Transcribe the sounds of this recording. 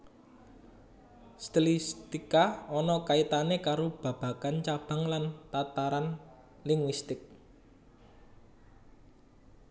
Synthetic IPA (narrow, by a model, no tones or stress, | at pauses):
st̪ilist̪ikaɔnɔkait̪anekaɾob̥ä̤b̥a̤kant͡ʃab̥a̤ŋlant̪at̪aɾan | liŋwist̪ɪk̚